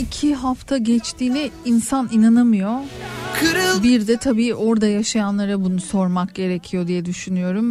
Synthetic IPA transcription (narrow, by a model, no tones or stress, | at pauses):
icʰiɦaft̪ʰaɟɛt͡ʃt̪ʰiːlʲɛinsaninanamɯjo̞kʰɯɾɯbiɾd̪ɛt̪ʰabiːʔo̞ɾd̪ajaʃajanlˠaɾabunuso̞ɾmak̚ɟe̞ɾecʰijo̞d̪ijɛd̪yʃynyjo̞ɾum